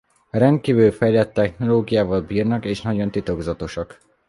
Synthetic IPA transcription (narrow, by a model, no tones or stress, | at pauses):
rɛnd̪̚kiːvylfɛjlɛt̪ːɛxno̞loːɡijaːvɒlbiːrnɒkeːʃnɒɟo̞nt̪it̪o̞ɡzɒt̪o̞ʃɒk